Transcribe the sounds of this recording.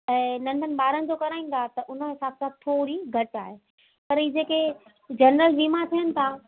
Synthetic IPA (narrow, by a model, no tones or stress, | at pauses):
ɛ̃ːnɐ̃ɳɖʱənɪ̆ɓaːɾənɪ̆d͡ʑoːkɐɾaːĩːn̆d̪ʱat̪ɐʔʊn̤əɦɪsaːbsãt̪ʰoːɾiɡʱɐʈa̰ːɦe | pɐɾiːd͡ʑeːke | d͡ʑɐnɾəlʋiːmat̪ʰijənɪ̆t̪ʰaː